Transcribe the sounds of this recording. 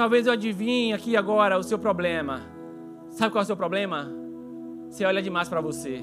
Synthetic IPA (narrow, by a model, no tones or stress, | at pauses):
t̪awvezewad͡ʒivĩakiaɡɔɾɐʊsewpɾɔblẽmɐ | sabɪkwawɛws̬ewpɾɔblẽmɐ | seɔʎɐd͡ʒɪmajspɾɐvose